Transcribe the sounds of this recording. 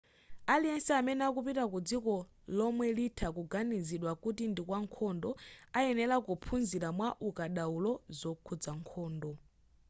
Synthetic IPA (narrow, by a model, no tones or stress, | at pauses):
aliɛnsiamɛnɛakupitakud͡zikɔ | lɔmwɛlitʰakuɡaniziɗwakutindikwaŋkʰɔndɔaɛnɛlakupʰunziɾamwaʔukaɗaulɔzɔkʰud͡zaŋkʰɔːndɔ